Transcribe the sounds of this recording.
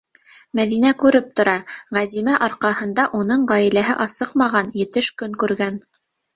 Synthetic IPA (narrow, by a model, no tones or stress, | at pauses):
mæðinækʉɾɘp̚t̪ŏɾɑʁæzimæʔɑɾqɑhɤ̆nd̪ɑʔunɤɴʁɑjɘ̆læɦɘʔɑsɤqmɑʁɑnjɘ̆t̪ɘʃkɵŋkʉɾɡæn